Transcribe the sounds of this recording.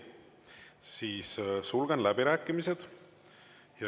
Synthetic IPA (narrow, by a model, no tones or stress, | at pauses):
siːssulɡ̥enlæbiɾæːkːˑimised̪̥ | jɑ